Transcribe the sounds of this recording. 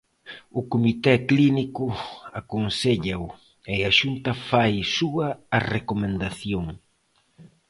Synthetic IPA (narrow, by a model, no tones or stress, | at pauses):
ʊkomit̪ɛklinikʊakonseʎaʊ | eaʃunt̪ɐfajsuɐːrekomẽnd̪aθjoŋ